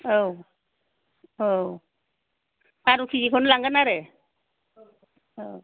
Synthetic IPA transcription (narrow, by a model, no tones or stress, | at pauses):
ow | o | aɾukʰizikʰɔnlaŋɡanaɾe | o